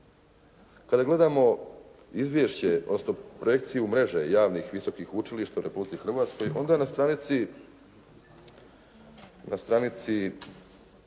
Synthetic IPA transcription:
kad̪aɡle̞d̪amo̞ | izʋjeʃt͡ɕeod̪nosno̞pɾoje̞k̚t̪sijumɾe̞ʒḛjaːʋnixʋiso̞kiːxut͡ʃiliʃt̪auɾe̞publit̪ixr̩ʋaːt̪sko̞jo̞nd̪anast̪ɾanit̪si | nast̪ɾanit̪si

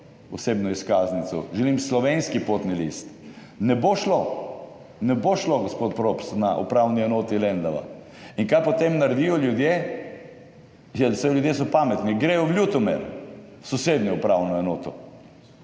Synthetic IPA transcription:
ɔseːbnɔiskaːznit̪sɔ̰ʒɛlimslɔʋenskipot̪nilḭst̪ | nɛboʃlo | nɛboʃloɡospot̪̚pɾopsnaʔṵpɾawniɛnoːt̪ilɛnd̪aʋa̰ | inkajpɔt̪emnaɾɛd̪ijɔljud̪je | jɛlsɛlʲjud̪jes̬ɔpamɛt̪niɡɾɛjɔʋlʲjut̪ɔmɛ̰ɾ | sɔsed̪nɔupɾawnɔɛnoːt̪ɔ

